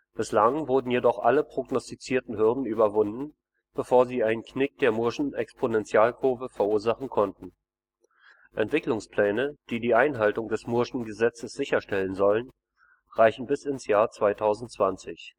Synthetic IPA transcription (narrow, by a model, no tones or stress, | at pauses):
b̥ɪslaŋvʊɐdn̩jedɔχʔaləpʁ̥oɡnɔstit͡siːɐtn̩ɦʏɐdn̩ʔyːbɐvʊndn̩ | b̥əfoːɐziːaɪnənknɪk̚d̥eːɐmʊɐʃn̩ʔɛkspʰonɛnt͡sjaːlkʰʊːvəfɛɐʔuːɐzaχn̩kʰɔntn̩ | ʔɛntv̥ɪklʊŋspl̥ɛːnəd̥iːdiːʔaɪnɦaltʊŋdɛsmʊɐʃn̩ɡəzɛt͡səsz̥ɪçɐʃtɛlənzɔlən | ʁaɪçn̩bɪsɪnsjaːɐt͡sv̥aɪtʰaʊzn̩tt͡sv̥ant͡sɪç